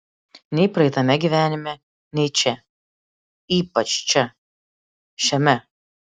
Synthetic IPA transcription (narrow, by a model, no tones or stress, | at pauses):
nʲɛɪpɾɐɛɪt̪ɐmʲɛɡʲiʋʲæːnʲɪmʲɛ | nʲɛɪt͡ʃʲɛ | iːpɐt͡ʃt͡ʃʲɛ | ʃʲɛmʲɛ